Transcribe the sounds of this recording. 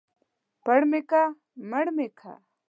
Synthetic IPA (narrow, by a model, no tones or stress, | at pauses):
pɐɽmeka | mɐɽmekʰa̰